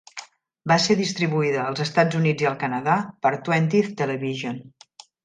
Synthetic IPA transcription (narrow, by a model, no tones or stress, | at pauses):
baseðist̪ɾiβuiðəːlˠzəst̪ad͡zunid͡ziəlˠkənəðapəɾt̪wɛnt̪ift̪ələβiʒon